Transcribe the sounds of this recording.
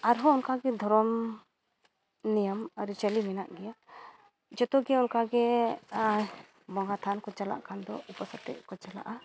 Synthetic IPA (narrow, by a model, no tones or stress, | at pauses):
aɾɦɔɔnkaɡɛd̪ʱɔɾɔm | nijamaɾit͡ʃalimɛna̰ʔɡɛja | d͡ʒɔt̪ɔɡɛɔnkaɡɛ | bɔŋɡat̪ʰankɔt͡ʃala̰ʔkand̪ɔ̰upasat̪ɛ̰ʔkɔt͡ʃala̰ʔa